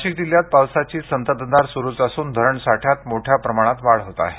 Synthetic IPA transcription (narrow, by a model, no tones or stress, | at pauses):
ɕik̚d̪iljat̪̚pawsat͡ɕiːsənt̪əd̪d̪aɾsuɾuːt͡səsuːnd̪ʱəɾəɳsaʈʰjat̪moʈʰjapɾəmaɽ̃at̪ʋaɭɦot̪a̰ɦe